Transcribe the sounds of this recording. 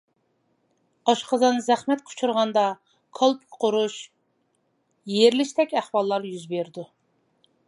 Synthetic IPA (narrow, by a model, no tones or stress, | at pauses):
ɑʃqəzɑnzæχmɛt̪kʰu̥t͡ʃʰuɾʁɑnd̪ɑ | kʰɑlˠpkʲʰqʰoɾuʃ | jeɾlɪʃt̪ɛkʲæχwɑlˠːɑɾjyzbeɾd̪u